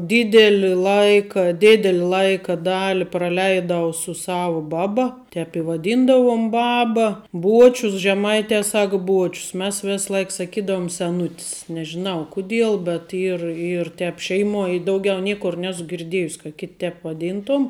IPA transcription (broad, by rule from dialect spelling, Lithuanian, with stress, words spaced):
ˈdʲɪdʲɛlʲɪ ˈlˠɐɪkɐ ˈdʲeːdʲɛlʲɪ ˈlˠɐɪkɐ ˈdɑːlʲɪ prɐˈlʲɛɪdɐʊ sʊ ˈsɑːʋʊ ˈbɑːˌbɐ ˈtʲɛp ɪ ʋɐˈdʲiːndɐʋʊm ˈbɑːbɐ ˈbuɔt͡ʃʲʊs ʒʲɛˈmɐɪtʲɛ ˈsɐk ˈbuɔt͡ʃʲʊs mʲɛs ˈʋʲeːsˌlˠɐɪk sɐˈkʲiːdɐʋʊm sʲɛˈnʊtʲɪs nʲɛʒʲɪˈnɐʊ ˈkʊˌdʲiɛlˠ bʲɛt ˈiːr ˈiːr ˈtʲɛp ˈʃʲɛɪˌmuɔj ɪ ˈdɐʊɡʲɛʊ ˈnʲiɛkʊr ˈnʲæːsʊ ɡʲɪrʲˈdʲiɛjʊsʲ kɐ kʲɪtʲ tʲɛp ʋɐˈdʲiːntoːm